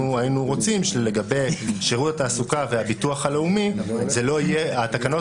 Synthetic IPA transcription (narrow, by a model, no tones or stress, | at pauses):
uainuʁo̞t͡simʃle̞ɡabe̞jʃeʁutataːsukaveabit̪uaχale̞umizelo̞ijeat̪akano̞